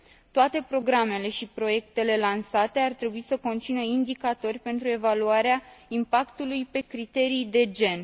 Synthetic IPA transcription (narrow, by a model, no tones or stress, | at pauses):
t̪oat̪e̞pɾo̞ɡɾame̞le̞ʃipɾo̞je̞kt̪e̞le̞lansat̪e̞art̪ɾe̞buisəko̞nt̪sinəind̪ikat̪o̞rʲpe̞nt̪ɾue̞valuaɾeaimpakt̪ulujpe̞kɾit̪e̞ɾijd̪e̞d͡ʒe̞n